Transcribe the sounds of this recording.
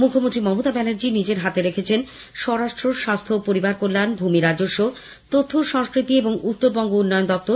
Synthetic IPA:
mukʰːomont̪ɾimɔmot̪abɛneɾd͡ʑinid͡ʑeɾɦat̪eɾekʰet͡ɕʰen | ʃɔɾaʃʈɾoʃast̪ʰopoɾibaɾkolːanbʱumiɾad͡ʑoʃːo | t̪ot̪ʰːoʃɔŋskɾit̪ieboŋut̪ːoɾbɔŋɡounːɔeond̪ɔp̚t̪o

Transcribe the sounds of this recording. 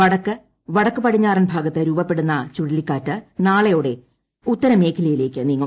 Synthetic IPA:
ɐɽɐkːɨ | ʋɐɽɐkːɨpɐʈʰiɲːaːrɐnbʱaːɡɐt̪ːɨɾuːbɐpːe̞ɽunːɐt͡ɕuɽilikːaːtːɨnaːɭɐjoːɽe̞ | ut̪ːɐɾɐme̞ːkʰilɐjile̞ːkʲːɨniːŋːɐɭ

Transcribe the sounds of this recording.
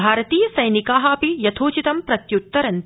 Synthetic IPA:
bʱaːɾɐt̪iːjɐsɐjnikaːɦaːpijɐt̪ʰoːt͡ʃit̪ɐmpɾɐt̪jut̪ːɐɾɐn

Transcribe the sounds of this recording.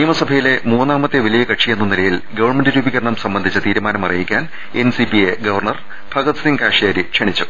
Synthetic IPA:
nijɐmɐsɐbʱɐjile̞muːnːaːmɐt̪ːeʋilɐjɐkɐʈʂijenːɐnilɐjilɡɐʋɐrmendɨɾuːbiɣɐɾɐɳɐmsɐmbɐnd̪ʱit͡ɕːɐt̪iːɾumaːnɐmɐrijikʲːaːn | ensipieɡɐʋɐrɳɐr | bʱɐɡɐt̪siŋkaːʂijaːɾikʂɐɳit͡ɕːu

